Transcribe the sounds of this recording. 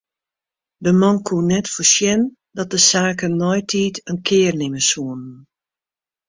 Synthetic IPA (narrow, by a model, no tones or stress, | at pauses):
dəmɔnkʰuənɛtfosjɛn | dɔt̚dəsaːkənːɔjtʰiːtʰənkʰɪːrnɪməsuənn